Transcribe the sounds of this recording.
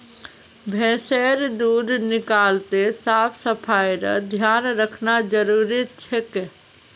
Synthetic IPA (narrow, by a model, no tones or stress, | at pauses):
bʱɛ̃ːseːɾd̪uːɾnɪkaːlt̪esaːpʰsəpʰaːjɾə̰d̪ʱjaːnɾəkʰnad͡ʒəɾuːɾit͡ʃʰeke